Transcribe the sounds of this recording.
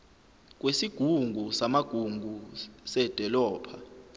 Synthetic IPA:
k̬wesiɡ̥ʱuŋɡʱusamaɡ̥ʱuŋɡʱusɛd̥ʱɔlɔːpʰa

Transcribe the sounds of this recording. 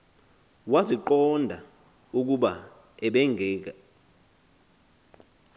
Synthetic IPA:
waziǃɔndʱa | uk̬uɓa | ɛɓɛŋɡʱɛːk̬a

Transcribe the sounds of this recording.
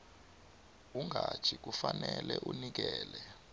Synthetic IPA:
uŋʱat͡ʃʰik̬ufanɛlɛʔunik̬ɛːlɛ

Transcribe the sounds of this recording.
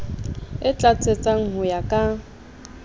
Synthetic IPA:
ɪt͡ɬʼat͡sʰʼet͡sʼaŋ̩hʊjakʼa

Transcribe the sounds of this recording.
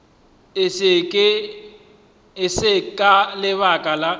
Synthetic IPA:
sɪkʼɪ | ɪsɪkʼalɪβakʼala

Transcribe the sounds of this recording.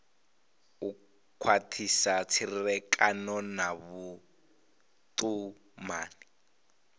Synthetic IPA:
u | kʰwatʰisat͡sʰirirɛkʼanɔnaβu | t̪u | ma̰ːni

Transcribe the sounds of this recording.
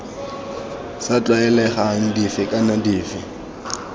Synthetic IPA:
sat͡ɬʼwaɛlɛχaŋ̩difɪkʼanadiːfɪ

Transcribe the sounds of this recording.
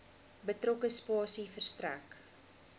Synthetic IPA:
bətrɔkəspɑːsifərstræk

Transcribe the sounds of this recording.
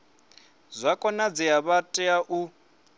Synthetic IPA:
zʷakʼɔnad͡ziaβatʼɛaʔu

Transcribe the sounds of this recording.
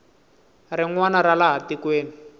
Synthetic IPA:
rɪŋwanaɾalaɦatikweːni

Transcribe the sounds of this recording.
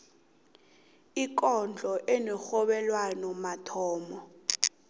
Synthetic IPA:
ik̬ʼɔnd͡ɮʱɔʔɛnɛxɔɓɛlwanɔmatʰɔːmɔ

